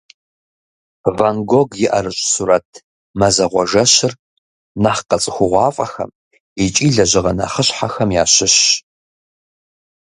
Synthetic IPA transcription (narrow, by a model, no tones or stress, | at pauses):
vaŋɡoɡjɪʔɐɾɨɕʼsuɾɐtʰ | mɐzɐʁʷɔʒɐɕɪr | naχqɐt͡sʼɨxʷʊʁʷɑːfʼɐxɐ̰m | it͡ʃʼiːɮɐʑɪʁɐna̰ːχəɕħaxɐmjaːɕɪɕ